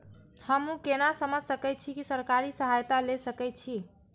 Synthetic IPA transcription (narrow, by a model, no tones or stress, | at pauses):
həmũkenasəməd͡ʒʱsəkɛt̪̚t͡ʃʰikisəɾkaɾisəɦajt̪alesəkɛt͡ʃʰi